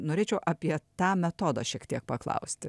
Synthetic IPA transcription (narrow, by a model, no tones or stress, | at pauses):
noːɾʲeːt͡ʃʲɛʊʔɑpʲiɛt̪ɑːmʲɛt̪oːd̪ɑ̰ʃʲiɛkt̪ʲiɛk̚pɐklˠɐ̰ʊsʲt̪ʲɪ